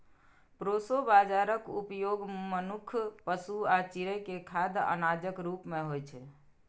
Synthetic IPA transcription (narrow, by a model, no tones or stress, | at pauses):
pɾosobad͡ʒaɾəkupjoɡmənukʰpəsuat͡ʃiɾəjkekʰad̪ʱə̰nad͡ʒəkɾupmeɦojt͡ʃʰɛ